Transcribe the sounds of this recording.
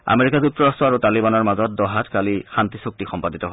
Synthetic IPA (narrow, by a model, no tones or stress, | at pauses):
a̰meɹikazuk̚tɔɹastɹɔaɹutalibanɔɹmazɔt̚dɔɦatkalixantisuk̚tixɔmpaditɔɦo